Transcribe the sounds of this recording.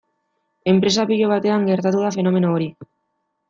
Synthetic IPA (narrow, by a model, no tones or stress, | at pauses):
e̞mpɾe̞s̬apiʎe̞β̞at̪e̞aŋɡe̞ɾt̪at̪uðafe̞no̞me̞noːɾi